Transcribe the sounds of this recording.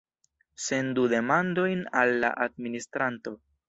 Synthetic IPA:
se̞ndude̞mando̞jnalːa̰ʔad̚ministɾanto̞

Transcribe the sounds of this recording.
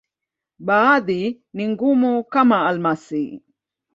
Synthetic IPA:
baad̪i | niŋɡumukamaːlmasi

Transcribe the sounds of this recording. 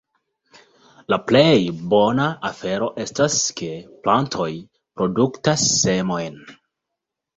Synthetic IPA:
laplejbo̞naafe̞ɾo̞ʔe̞staskʰe̞plantʰo̞j | pɾo̞duktasːe̞mo̞jn

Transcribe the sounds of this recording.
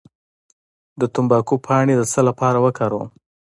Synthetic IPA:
d̪ət̪ʊmbɑkupʰɑɳed̪əsəlapɑɾawəkʰɑɾo̰

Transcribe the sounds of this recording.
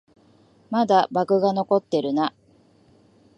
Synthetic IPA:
mad̪abakɯ̟ɡano̞ko̞t̪ːe̞ɾɯ̟na

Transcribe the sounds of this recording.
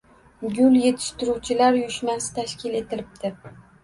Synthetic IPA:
ɡʲʊlˠje̞t̪ʰɪ̥ʃt̪ɪɾuwt͡ʃʰɪlaɾjʊʃmasɪ̥t̪ʰaʃkʲʰɪle̞t̪ʰɪlɪp̚d̪̥ɪ

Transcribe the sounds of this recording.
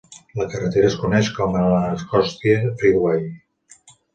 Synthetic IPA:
ləkərət̪eɾəːskunɛʃkɔmənləːskɔst̪iəfiðwaj

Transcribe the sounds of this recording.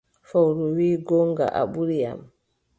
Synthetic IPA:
fawɾuwiːɡɔŋɡa̰ʔa̰ɓuɾija̰m

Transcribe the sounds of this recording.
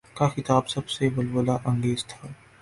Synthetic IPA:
kaxɪt̪aːbsɐbseʋɐlwəlaʔɐ̃ŋɡeːzt̪ʰaː

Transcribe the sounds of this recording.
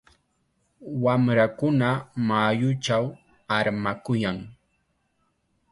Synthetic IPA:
wamɾakʊnamajʊt͡ʃaw | aɾmakʊjaŋ

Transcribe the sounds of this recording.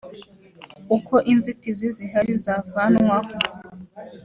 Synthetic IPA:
ukoʔinzitiziziɦaɾizavanwaho

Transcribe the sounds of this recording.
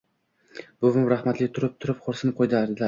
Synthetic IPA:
b̥ʊmʊmɾaχmat̪lɪt̪ʰʊɾɪp̚t̪ʰʊɾɪp̚qʰoɾsɪnɪp̚qʰojd̪aɾd̪ɪla

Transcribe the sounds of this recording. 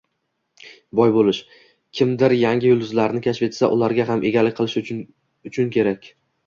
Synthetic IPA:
bɒjbolɪʃ | kʲʰɪmd̪ɪɾjaŋɡʲɪjʊlˠd̪ʊzlaɾnɪkʲʰat͡ʃve̞t̪sa̰ʔʊ̰laɾɡʲaɦamʔe̞ɡʲalɪk̚ʲqʰɨlˠɪʃ | ʊt͡ʃʰʊnkʲʰe̞ɾakʲ

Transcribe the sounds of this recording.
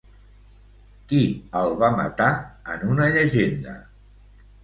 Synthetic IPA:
kiəlˠβamə̰t̪aə̰nunəʎəʒend̪ə̰

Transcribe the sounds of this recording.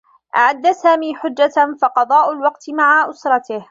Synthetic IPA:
ʔa̰ʕad̪ːasaːmiːħʊd͡ʒːafɑqɑd̪ˤɑːʔʊlwɑqt̪ɪmaʕaʔʊsɾˤɑt̪ɪh

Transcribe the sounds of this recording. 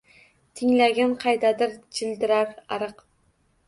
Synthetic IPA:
t̪ʰɪŋlaɡʲanqʰɑjd̪ad̪ɪɾd͡ʒɪld̪ɪɾaɾaɾɨq

